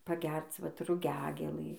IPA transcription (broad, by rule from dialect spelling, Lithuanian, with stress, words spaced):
pɐˈɡʲɛrt͡s ˈʋɐt rʊˈɡʲæːɡʲeːlˠɨ